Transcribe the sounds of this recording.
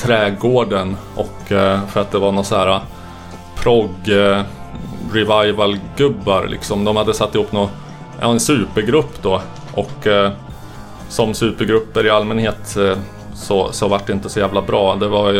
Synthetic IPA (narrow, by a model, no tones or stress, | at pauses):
t̪ʰɾɛːɡoːɖənʔɔ̰kːfœɾat̪̚d̪ɛvaɳɔsɔhæːɾa | pʰɾɔɡ | ɾɪvajvəlɡɵbːaɾlʔɪ̰ksɔmd̪ɔmhad̪ːəsat̪ːɪhuːpːnɔ | ʔɛnsʉ̟ːpəɾɡɾɵpːd̪ɔ | ʔɔkː | sɔmsʉ̟ːpəɾɡɾɵpːəɾɪalmɛnheːt̪ | sɔsɔvaʈ̚ːɖɛɪnt̪əsɔjæːvlabɾɑːd̪ɛva